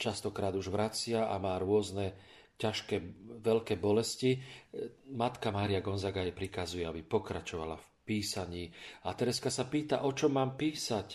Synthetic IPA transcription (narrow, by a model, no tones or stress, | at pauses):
t͡ʃast̪ɔkɾaːd̪uʒʋɾat͡sɪaʔa̰maːɾʊɔznɛ | caʃkɛːʋɛʎkɛːbɔlɛsci | mat̪kamaːɾijaɡɔnzaɡaɛjpɾikazujɛabipɔkɾat͡ʃɔʋa̰la̰f | piːsaɲiːat̪ɛɾɛskasapiːt̪a̰ʔɔt͡ʃɔmːaːmpiːsac